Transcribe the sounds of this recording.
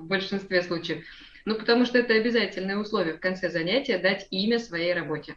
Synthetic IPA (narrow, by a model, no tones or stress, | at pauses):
vbəlʲʂɨnst̪vʲeslˠut͡ɕɪjəf | nupə̥t̪ɐmuʂt̪oɛt̪əɐbʲɪzatʲɪlʲnɨjəʊslˠo̞vʲɪjəfkɐnt̪sɛzɐnʲætʲɪjəd̪atʲimʲəsvɐjejrɐbo̞tʲɪ